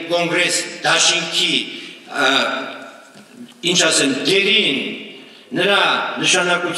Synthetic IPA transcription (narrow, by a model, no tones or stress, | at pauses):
kɔŋɡɾɛsd̪ɑʃiŋkʰi | int͡ʃʰɑsɛmd̪ɛɾinː | əɾɑnəʃɑnɑkut͡sʰ